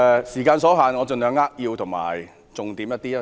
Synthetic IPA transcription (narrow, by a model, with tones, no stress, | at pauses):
siː˨˩kaː˧nsɔː˨˥ɦaː˨˩nŋɔː˨˧t͡sɵ˨nlœː˨˧ŋːaː˥k̚jiː˧wt̪ʰʊ˨˩ŋma̰ː˨˩j | t͡sʊ˨ŋt̪iː˨˥mjɐ˥t̪̚iː˥a˦